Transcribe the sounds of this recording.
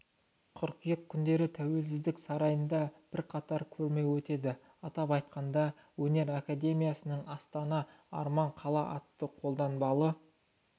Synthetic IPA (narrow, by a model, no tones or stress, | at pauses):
qʰʊɾqijək̚kʲʰːʏnd̪e̞ɾɪt̪ʰæwe̞ls̬ɪzd̪ɪksɑɾɑjənd̪ɑb̥ɪɾqʰɑt̪ɑɾkʲʰɵɾme̞wɵt̪e̞d̪ɪ | ɑt̪ɑpɑjt̪qɑnd̪ɑ | wɵne̞ɾakad̪e̞mijasənəɴɑst̪ɑnɑ | ɑ̰ɾmɑɴqʰɑlˠɑʔɑt̪ːəqʰo̞lˠd̪ɑnbɑlˠə